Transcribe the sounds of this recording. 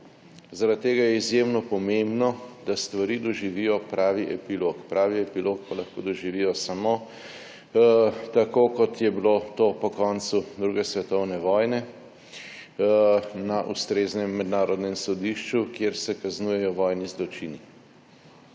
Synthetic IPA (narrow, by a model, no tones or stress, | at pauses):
zaɾat̪̚tːeːɡajɛizjemnɔpɔmembnɔd̪ast̪ʋaɾiːd̪ɔʒiʋijɔpɾaːʋiʔɛpilokpɾaːʋiɛpilokpalaxko̰d̪ɔʒiʋijɔsamo | t̪akokɔt̪jɛbilot̪opɔkɔnsud̪ɾuːɡɛsʋɛt̪ɔwnɛʋɔːjnɛ | naʔṵst̪ɾeːznɛmːɛd̪naːɾɔd̪nɛmsɔd̪iʃt͡ʃukjeɾsɛkaznuːjɛjɔʋɔːjnizlɔt͡ʃini